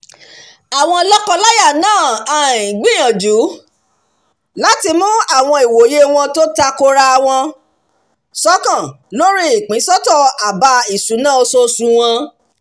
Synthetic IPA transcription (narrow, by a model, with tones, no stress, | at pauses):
a˨w̃ɔ̃˧lɔ˦kɔ˧la˦ja˦˨nãː˦˨a˨ĩ˨ɡ͡bĩ˦j̃ã˨d͡ʒu˨˦ | la˦ti˧mũ˦a˦˨w̃ɔ̃˧i˨wo˨˦je˦w̃ɔ̃˧to˦ta˧ko˧ɾa˧w̃ɔ̃˧ | sɔ˦kã˦˨ | lo˦ɾi˦i˨k͡pĩ˨˦sɔ˦tɔ˦˨a˨ba˧i˨sũ˨˦nã˦˨o˧so˧sũ˨˧w̃ɔ̃˧